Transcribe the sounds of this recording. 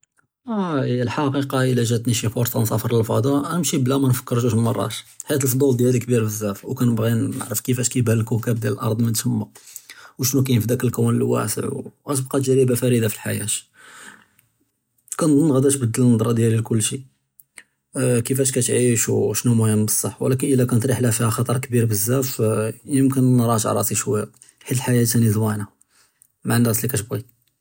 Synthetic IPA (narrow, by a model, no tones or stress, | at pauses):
æəlħɑqiqɑəlæʒæt̪niʃifoɾt̪ˤɑnsˤɑfəɾˤəlfɑd̪ɑæmʃiblæmænfə̥kːəɾˤʒuʃmnmɑrˤːɑ̰ʃħiæt̪əlfd̪ˤuld̪jælikbiɾfəzːæfwkænəbɣinə̰ʕɾəfkəfæʃkæjbhællkʊkæbd̪jæləlʔɑ̰ɾˤd̪ˤmənt̪həmːuwʃnukæjnəfd̪ækəlkæwnəlwæ̰sə̰ʕwɣæt̪əb̚qɑt̪ʒæɾibæfæɾid̪afilħa̰jæ̰t̪ | kænd̪ˤnːɣæd̪æʃbəd̪ːəlnɑd̪ˤɾˤɑd̪jælilkʊlːʃi | kəfæʃkæt̪ʕiʃwʃnumʊhəmːbəsˤːɑħːwə̰lækənʔəlækænət̪ˤɾiħlæhfihæxɑt̪ˤɑɾˤkbiɾbəzːæfjəmkənːɾˤɑʃʕ̰ɾˤɑ̰t̪iʃwæjːa | ħilħajæt̪ænizwæna | maʕnːæslikæt̪bɣi